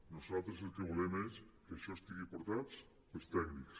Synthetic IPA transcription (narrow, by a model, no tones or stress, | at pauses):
nosalˠt̪ɾəs̬elˠkɾuβulɛmɐeskəəʃɔest̪iɣipoɾt̪at̪s | pəlst̪ɛkniks